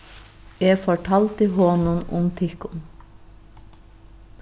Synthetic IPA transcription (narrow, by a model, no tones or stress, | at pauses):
eːfɔʈʰɑːlt̪iːhoːnʊnʔʊmt̪ʰɪkʊn